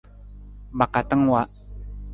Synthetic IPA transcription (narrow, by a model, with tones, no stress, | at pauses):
ba˨ka˨t̪ə˦ŋwa˦ʔ